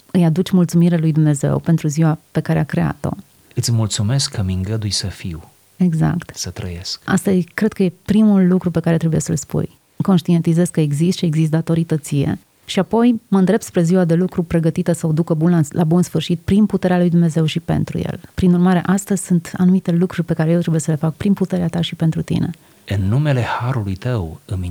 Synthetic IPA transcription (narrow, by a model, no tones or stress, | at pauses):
ɨjad̪ut͡ʃʲmult̪sumiɾelujd̪umne̞ze̞̰wpe̞nt̪ɾuziwape̞kaɾe̞akɾe̞a̰t̪o̞̰ | ɨt̪sʲmult̪sume̞skʰːəmiŋɡəd̪ujsəfḭw | e̞ɡza̰kt̪sət̪ɾə̰jḛska̰st̪əzkɾe̞d̪̥̚kəje̞pɾimulːukɾupe̞kaɾe̞t̪ɾebuje̞̰sə̰lspṵj | ko̞nʃt̪ie̞nt̪ize̞zkəeɡzist̪ʃieɡzis̬t̪̚d̪at̪o̞ɾit̪ət̪sije̞̰ | ʃiapo̞jməɨnd̪ɾept̪spɾe̞ziwad̪e̞lukɾupɾe̞ɡət̪it̪əsəod̪ukəbunlalʔabunsfɨrʃit̪̚pɾinput̪e̞ɾealujd̪umneze̞wʃipe̞̰nt̪ɾṵjḛlpɾinurmaɾe̞ʔast̪əzʲsunt̪a̰numit̪e̞lukɾurʲpe̞kaɾejewt̪ɾebujesəle̞fak̚pɾinput̪e̞ɾeat̪aʃipe̞nt̪ɾut̪ḭne | ɨnːume̞le̞haɾulujt̪əwɨmi